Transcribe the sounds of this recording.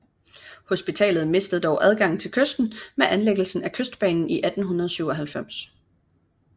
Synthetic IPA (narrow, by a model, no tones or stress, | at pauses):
ho̝sb̥it͡sʰɛ̰ːlð̞̩ˠme̝sd̥əð̩ˠd̥ɒʊʔæð̞ˠɡ̥ɑ̈ŋ̰n̩t͡sʰe̝lkʰøsd̥n̩meʔænleɡ̥l̩sn̩ækʰøsd̥̚b̥ɛ̰ːnn̩iʔæd̥n̩ɦunɐð̞ˠsyʊɒ̽ɦælfem̰s